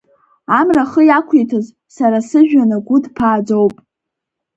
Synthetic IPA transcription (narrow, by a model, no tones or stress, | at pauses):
amraχəjakʷʰetʰɨz | saɾasɨʒᶣanɨɡʷʊdpʰaːd͡zowpʼ